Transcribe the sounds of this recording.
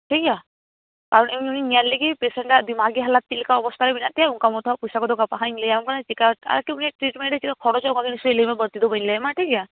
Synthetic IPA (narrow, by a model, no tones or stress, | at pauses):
ʈʰika | kaɾɔɳemuninijallikipesɛɳʈad̪imaɡiɦalat̪̚t͡ʃilkaɔbɔst̪ʰalɛbinaʔt̪iɦauŋkamɔt̪ʰɔpusakɔd̪ɔkapaɦaɲlejammkanat͡ʃikaa̰akiuniʈɾiʈmeɳɖet͡ʃikakʰɔɽɔt͡ʃaũŋkakinislemɛbəɾt̪id̪ɔbənlɛɛmaʈʰika